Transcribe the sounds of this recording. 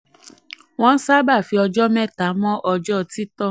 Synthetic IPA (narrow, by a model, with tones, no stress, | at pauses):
w̃ɔ̃˦n̩˦sa˦ba˦˨fi˧˦ɔ˧d͡ʒɔ˦mɛ̃˦˨ta˨˦mɔ̃˦ʔɔ˧d͡ʒɔ˦˨ti˦tɔ˦˨